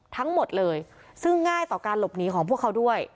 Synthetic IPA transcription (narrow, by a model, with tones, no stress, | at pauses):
t̪ʰa˦˥ŋmo˨˩t̪̚lɤː˧j | sɯ˥˩ŋːaː˥˩jt̪ɔː˨˩kaː˧nlo˨˩p̚niː˦˥kʰɔː˩˦pʰu˥˩kʰːa˦˥wdu˥˩əj